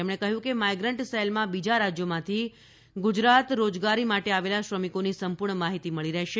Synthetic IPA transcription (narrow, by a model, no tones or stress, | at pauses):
emɽ̃ekəɦjũkemajɡɾəɳʈselmãbid͡ʒaɾad͡ʒjomãt̪ʰi | ɡud͡ʒɾat̪ɾod͡ʒɡaɾimaʈeaʋelaʃɾəmikonisəmpuɾɳəmaɦit̪iməɭiɾəɦʃe